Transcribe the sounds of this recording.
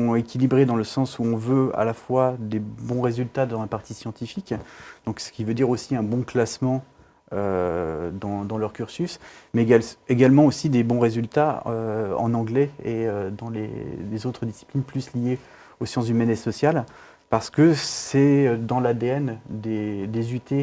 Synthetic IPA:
ɔ̃ekʲilibʁed̪ɑ̃ləsɑ̃suɔ̃vøa̰lafwad̪ebɔ̃ʁezylt̪ad̪ɛ̃paʁt̪isjɑ̃t̪ifikd̪̥ɔ̃ksə̥kʲivød̪iʁosiɛ̃bɔ̃klasmɑ̃ | ø | d̪ɑ̃d̪ɑ̃lœʁkʲyʁsysmɛeɡalmɑ̃osid̪ebɔ̃ʁezylt̪aøɑ̰̃nɑ̃ɡlɛeød̪ɑ̃lḛlezot̪χəd̪isi̥plinplyslije | osjɑ̃s̬ymɛnesɔsjal | paʁsə̥kəsɛød̪ɑ̃lad̪eɛnd̪ed̪ezyt̪e

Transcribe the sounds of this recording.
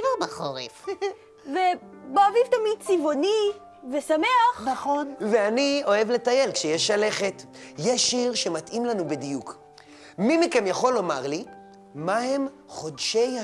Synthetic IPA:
veʁbaχoʁḛf | veboavivt̪amid̪̚t͡sivo̞ni | vesameaχnaχonveanio̞e̞vle̞t̪aje̞lkʃejeʃale̞χe̞t | jeʃiʁʃe̞matʔimlanubidijuk | mimikemjaχo̞lo̞maʁli | maɦe̞m | χo̞dʃej

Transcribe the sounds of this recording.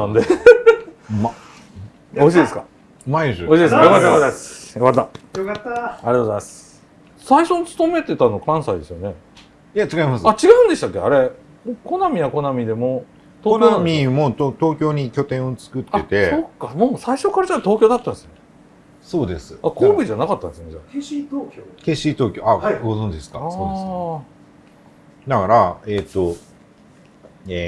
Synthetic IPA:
nãnd̪e | ma | oɕ̬iːd̪esɨka̰ | maisɕiːd̪eskajokazsjokat̪̬ːajokat̪ːaaɾijat̪oːzajmas | saiɕo̞nt͡sɨ̥t̪o̞me̞t̪e̞t̪ano̞kãɰ̃said̪e̞sɨjone̞ | ijat͡ɕiɡaimasɨat͡ɕiɡaɯ̟̃nd̪eɕi̥t̪akʲːea̰ɾe̞ | ko̞namʲijako̞namʲid̪e̞mo̞ | t̪okamʲimo̞t̪ot̪o̞ːkʲo̞ːɲ̟ikʲo̞t̪ẽɰ̃o̞t͡sɨ̥kɯ̟t̪ːaːe̞t̪e̞sokːamoːsaiɕo̞kaɾad͡ʑat̪o̞ːkʲo̞ːd̪at̪ːãnesɨjone | so̞ːd̪e̞sɨakoːbɯʑanakat̪ːãnd̪d̪esoned͡ʑat̪okʲokeɕit̪o̞ːkʲoaɡo̞zõɲ̟d͡ʑid̪sɨ̥kaaoːd̪es | nakaɾaet̪ːo | e

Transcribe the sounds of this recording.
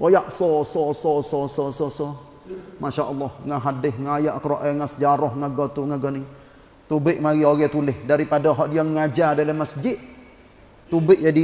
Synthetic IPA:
ʔojaʔsɔsɔsɔsɔsɔsɔsɔ | maʃaʔəlːɔhŋaɦadɪhŋajaʔkəɾoʔɛŋasəd͡ʒaɾɔhŋaɡɔt̪uŋaɡɔni | t̪ubɪʔmaɣioɣɛt̪ulɪhdaɾipadaɦɔʔdiaŋŋad͡ʒadalamasd͡ʒɪt̪̚ | t̪ubɪʔd͡ʒadi

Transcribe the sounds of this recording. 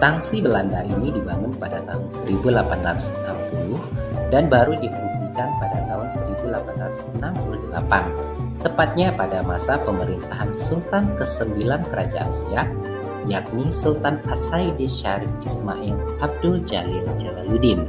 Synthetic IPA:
saŋsibəlandainidibaŋʊnpadat̪aɦʊnsəɾibulapanrat̪u̥sənampulʊhdanbaɾudifəɾisikanpadat̪aɦʊnsəɾibulapanrat̪u̥sənampuluhdəla̰pa̰nt̪əpat̪̚ɲapadamasapəməɾint̪aɦansult̪ankəsəmbilankəɾʔad͡ʒa̰ʔa̰nsia | jak̚nisult̪anasajdiʃaɾɪfisma̰ʔɛl | ab̚dʊld͡ʒa̰lɪld͡ʒalaludɪn

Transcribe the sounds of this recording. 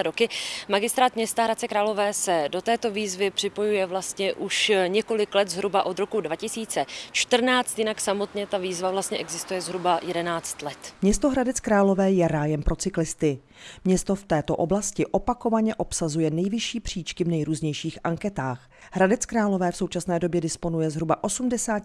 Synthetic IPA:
ɾokɪmaɡɪst̪ɾaːt̪mɲɛst̪aɦɾat̪t͡sɛkɾaːlo̞vɛːsɛdo̞t̪ɛːt̪o̞viːzvɪpr̥ɪpo̞jujɛvlast̪ɲɛʔuʃɲɛko̞lɪklɛt̪zɦɾubaʔo̞d̪ɾo̞kudvacɪsiːt͡sɛt͡ʃt̪r̩naːt͡st̪jɪnaksamo̞t̪ɲɛt̪aviːzvavlast̪ɲɛʔɛɡzɪst̪ujɛzɦɾubajɛdɛnaːt͡st̪lɛt̪mɲɛst̪oɦɾadɛt͡skɾaːlo̞vɛːjɛɾaːjɛmpɾo̞t͡sɪklɪst̪ɪ | mɲɛst̪o̞ft̪ɛːt̪o̞ʔo̞blascɪʔopako̞vaɲɛʔo̞psazujɛnɛjvɪʃiːpr̝̥iːt͡ʃkɪvnɛjɾuːzɲɛjʃiːxʔaŋkɛt̪aːx | ɦɾadɛt͡skɾaːlo̞vɛːfsowt͡ʃasnɛːdobjɛdɪspo̞nujɛzɦɾubaʔo̞sumdɛsaː

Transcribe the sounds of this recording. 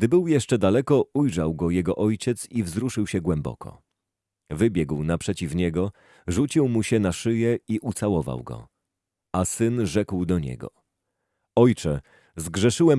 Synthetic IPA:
ɡd̪ɘbɘwjɛʂt͡ʂɛd̪alɛkɔujʐawɡɔjɛɡɔʔɔjt͡ɕɛt̪sivzɾuʂɘwɕɛɡwɛmbɔ̰kʰɔ̰ | vɘbʲjɛɡwnapʂɛt͡ɕifɲɛɡɔ | ʐut͡ɕiwmuɕɛnaʂɘjɛiʔut̪sawɔva̰wɡɔ̰ | asɘnʐɛkwd̪ɔɲɛ̰ɡɔ̰ | ɔjt͡ʂɛ | zɡʐɛʂɘwɛm

